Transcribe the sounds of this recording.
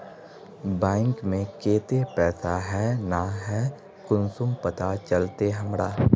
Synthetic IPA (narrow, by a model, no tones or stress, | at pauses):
bɛ̃ːŋkmẽkeːt̪epɛːsaɦɛnaɦɛ | kʊnsʊmpɐt̪at͡ʃəlt̪eɦɐmɾaː